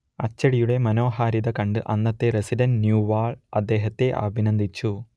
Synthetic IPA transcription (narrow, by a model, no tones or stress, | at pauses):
ɐt͡ɕːɐɽijuɽe̞mɐno̞ːɦaːɾiðɐkɐɳɖɨʔɐnːɐt̪ːe̞residɐnnjuːʋaːɭɐd̪ːe̞ːɦɐt̪ːe̞ʔɐ̰bʱinɐnd̪ʱit͡ɕːu